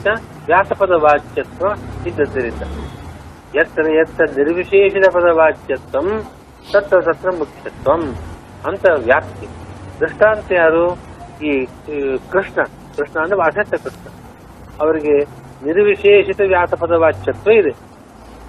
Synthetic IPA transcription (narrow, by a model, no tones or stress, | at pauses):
t̪ɐ | ʋjaːsɐpɐd̪ɐʋaːt͡ʃjɐt̪ʋɐid̪ːɐd̪ɐɾind̪ɐ | jɐt̪ɾɐjɐt̪ːɐniɾʋiʂeːʃit̪ɐpɐd̪ɐʋaːt͡ʃjɐt̪ʋɐm | t̪ɐt̪ʋɐt̪ɐt̪ɾɐmukʂjɐt̪ʋɐm | ɐnt̪ɐʋjaːpt̪ikɾɨʂɳaːnt̪ɐjaːɾuiː | kɾɨʂɳɐ | kɾɨʂɳɐːnt̪ɐɾɐsɐt̪ːɐkɾɨʂɳɐ | ɐʋɐɾiɡe | niɾʋiʂeːʂit̪ɐʋjaːsɐpɐd̪ɐʋaːt͡ʃːʃɐt̪ʋɐid̪e